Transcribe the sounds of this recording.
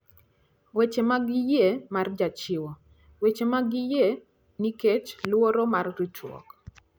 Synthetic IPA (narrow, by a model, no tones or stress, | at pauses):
wet͡ʃemaɡɪjemard͡ʒat͡ʃɪwɔ | wet͡ʃemaɡɪje | niket͡ʃlwoɾomarɾit͡ʃwɔ̰k